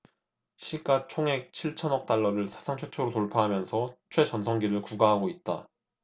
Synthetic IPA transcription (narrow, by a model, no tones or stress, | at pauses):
ɕʰiɡ͈at͡ɕʰoŋɦe̞k̚t͡ɕʰiɭt͡ɕʰʌnʌk̚t͈aɭːʌɾɯɭsʰḁsʰaŋt͡ɕʰwe̞t͡ɕʰoɾotoɭpʰaɦamjʌnsʰʌt͡ɕʰwe̞t͡ɕʌnsʰʌŋɡiɾɯɭkuɡaɦaɡoit̚t͈a